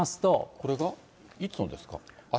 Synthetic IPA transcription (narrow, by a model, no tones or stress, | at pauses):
asɨ̥t̪o̞ko̞ɾe̞ɡa | it͡sɨnod̪e̞sɨ̥ka̰a